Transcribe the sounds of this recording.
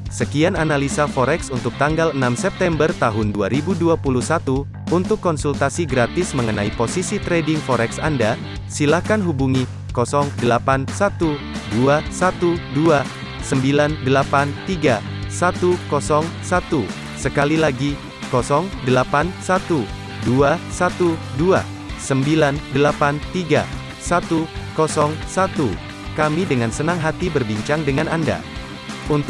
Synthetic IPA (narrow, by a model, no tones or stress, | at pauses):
səkiananalisafɔɾɛksunt̪ʊk̚t̪aŋɡalənamsɛp̚t̪ɛmbərt̪aɦʊnduaɾibuduapuluhsat̪u | unt̪ʊkːɔnsult̪asiɡɾat̪ɪsməŋənaiposisit̪ɾɛdɪŋfɔɾɛksanda | silahkanɦubuŋi | kɔsɔŋdəlapansat̪u | duasat̪udua | səmbilandəlapant̪iɡa | sat̪ukɔsɔŋsat̪u | səkalilaɡi | kɔsɔŋdəlapansat̪u | duasat̪udua̰ | səmbilandəlapant̪iɡa̰ | sat̪ukɔsɔŋsat̪u | kamidəŋansənaŋɦat̪ibərbiɲt͡ʃaŋdəŋananda̰ | unt̪